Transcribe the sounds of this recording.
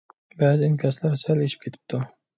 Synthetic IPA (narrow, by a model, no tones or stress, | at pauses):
bæːzænkʲʰɛslæɾsæleʃip̚kʲʰet̪ʰɪ̥p̚t̪ʰu